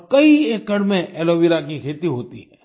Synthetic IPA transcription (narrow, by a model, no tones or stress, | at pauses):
kɐieːkːɐɽmẽɛːloːʋiɾakikʰeːt̪iɦoːt̪ḭɦɛ̰ː